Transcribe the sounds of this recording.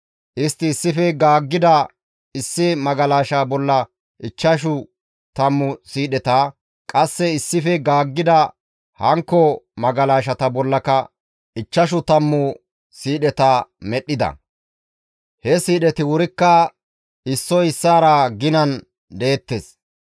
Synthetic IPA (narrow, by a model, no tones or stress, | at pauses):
ʔɪst̪ːɪːsːɪfɛɡaːɡːɪd̪ɐ | ɪsːɪmɐɡɐlaːʃaːbɔlːɐ | ɪt͡ʃːɐʃ̬ʊ | t̪ɐmːʊsiːɗɛt̪aː | kʼɐsːɛɪsːɪfɛɡaːɡːɪd̪ɐ | hɐŋkːɔmɐɡɐlaːʃ̬ɐt̪ɐbɔlːɐkɐ | ʔɪt͡ʃːɐʃ̬ʊt̪ɐmːʊ | siːɗɛt̪aːmɛɗːɪd̪ɐ̰ | hɛsiːɗɛt̪ɪwʊɾɪkːɐ | ɪsːɔɪsːaːɾaɡɪnɐn | d̪eːt̪ːes